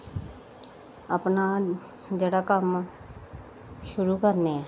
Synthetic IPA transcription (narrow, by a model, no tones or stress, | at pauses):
əpnaː | d͡ʒeːɽaːkəm | ʃʊɾuːkəɾneːɛː